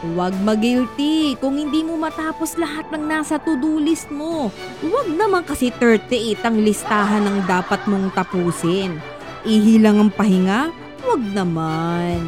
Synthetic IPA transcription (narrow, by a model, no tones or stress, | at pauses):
wɐɡ̚mɐɡɪlt̪ikʊŋhɪnd̪iːmo̞mɐt̪aːpo̞slɐɦat̪̚nɐŋnaːsɐt̪ʊd̪uːlɪs̚mo̞ | wɐɡ̚nɐmankɐsɛt̪ɛɹt̪ɛʔit̪ɐŋlɪst̪aːɦɐnɐŋd̪aːpɐt̪̚mo̞ŋt̪ɐpuːsɪn | ʔiɦilɐŋɐŋpɐhɪŋa | wɐɡ̚nɐman